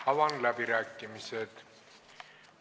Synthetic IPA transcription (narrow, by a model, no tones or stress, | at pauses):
ɑʋɑnlæpiɾækːimiset̪